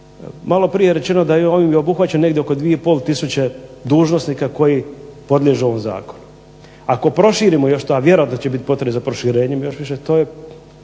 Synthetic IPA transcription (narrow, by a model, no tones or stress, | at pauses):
malo̞pɾijeɾet͡ʃe̞nod̪ajooʋimjeobuxʋat͡ɕanːe̞ɡd̪ʲjeoko̞d̪ʋijeipo̞ːlˠt̪isut͡ɕed̪uːʒno̞snikako̞jipo̞d̪lʎʲeʒeo̞ʋomza̰ːkonu | ako̞pɾo̞ʃiːɾimojo̞ʃt̪oaʋje̞ɾoat̪not͡ɕebit̪i̥pot̪ɾebezapɾoʃiɾeːɲemjo̞ʃʋiʃet̪oːje